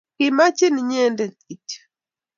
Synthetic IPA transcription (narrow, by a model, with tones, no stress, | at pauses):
kɪ˨ma˦t͡ʃi˦nɲɛ˦nde˨t̪i˨t